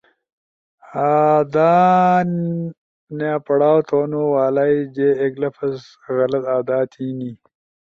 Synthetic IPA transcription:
aːd̪aː | naːpɐɽaːwt̪ʰoːnowaːlajd͡ʒeːɡlɐfɐs | ɣɐlɐt̪aːd̪aːt̪ʰiːni

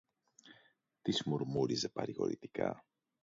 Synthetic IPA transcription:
t̪izmuɾmuɾize̞pɐɾiɣo̞̰ɾḭt̪i̥kɐ̰

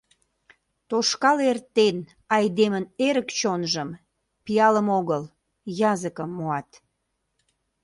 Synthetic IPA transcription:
t̪oʃkɑlert̪en | ɑjd̪eməneɾəkt͡ɕonʒəm | pijɑləmoɣəl | jɑzəkəmːoɑt̪

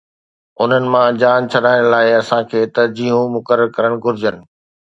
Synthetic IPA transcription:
ʊn̤ənɪ̆mãd͡ʑaːnt͡ɕʰɐɗaːɪɽ̃laːɪɐsãkʰeːt̪ɐd͡ʑiːɦũmʊkəɾəɾkɐɾəɽ̃ɡʱʊɾɪd͡ʑənɪ̆

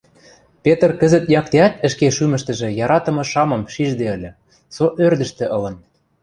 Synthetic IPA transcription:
pet̪ə̆rkə̆zə̆t̪jɑk̚t̪eæt̪ə̆ʃkeʃymə̆ʃt̪ə̆ʒĕjɑɾɑt̪ɤ̆mɤ̆ʃɑmɤ̆mʃiʒd̪eə̆lʲə̆ | soʔørd̪ə̆ʃt̪ĕʔɤ̆lɤ̆n

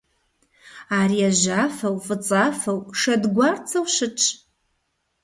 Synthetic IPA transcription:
aɾiaʒafɐwfʼɨt͡sʼafɐwʂɐdɡʷart͡sʰɐwʃɨʈ͡ʂʰʼ

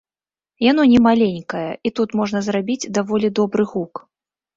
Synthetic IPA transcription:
janɔnʲɛmalʲenʲkɐjɐit̪ut̪mɔʐn̪ɐzrabʲid͡zʲd̪avɔlʲid̪ɔbɾɨɣuk

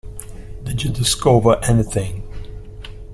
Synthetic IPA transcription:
dɨd͡ʒɨdɪskovə˞ʔɛniθɪ̃ŋ

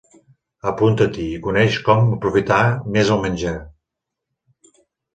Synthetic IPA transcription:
əpunt̪ət̪iːkunɛʃkɔməpɾufit̪amezəlˠmənʲd͡ʒe

